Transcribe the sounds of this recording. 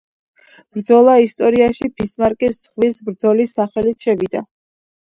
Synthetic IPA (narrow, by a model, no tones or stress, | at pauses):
b̥ɾd̪zɔlˠaist̪ʼɔɾiaʃibʰismaɾkʼisz̥ʁvisbɾd̪zɔlisːaχɛlit̪ʰʃɛvid̪a